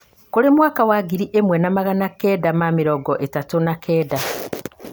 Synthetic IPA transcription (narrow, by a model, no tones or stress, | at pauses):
koɾemwaːkawaːɡiɾiʔemwɛnamaɣanakedamamiɾɔɡɔʔetatunakʰɛːda